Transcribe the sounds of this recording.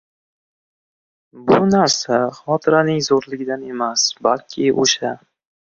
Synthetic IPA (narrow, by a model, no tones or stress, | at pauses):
bʊnaɾsaχɒt̪ʰɪɾanɪŋzoɾlɪɡʲɪd̪ane̞masbalkʲʰɪʔo̰ʃa